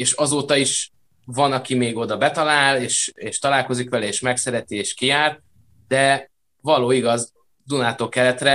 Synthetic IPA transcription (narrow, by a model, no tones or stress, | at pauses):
eːʃɒzoːt̪ɒiʃ | vɒnɒkimeːɡo̞d̪ɒbɛt̪ɒlaːleːʃeːʃt̪ɒlaːlko̞zikʋɛlɛeːʃmɛksɛɾɛt̪ieːʃkijaːrt̪ | d̪ɛ | vɒloːiɡɒz | d̪unaːt̪oːkɛlɛt̪rɛ